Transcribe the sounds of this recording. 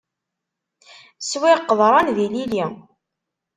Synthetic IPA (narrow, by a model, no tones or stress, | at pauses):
swiqːəðˤɾˤɑnðililj